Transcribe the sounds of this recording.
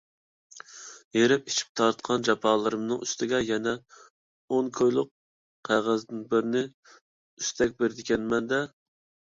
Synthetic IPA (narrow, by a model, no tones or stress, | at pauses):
jeɾɪp̚it͡ʃʰi̥p̚t̪ʰɑɾt̪qʰɑnd͡ʒɑpʰɑːlˠɨɾɨmnɨŋyst̪ʰɪɡʲɛjɛnɛ | onkʰojlˠʊq | qʰæʁæzd̪ɪnbɪɾɪnɪ | yst̪ʰɛk̚ʲbeɾɪd̪ɪkʲɛnmɛnd̪ɛ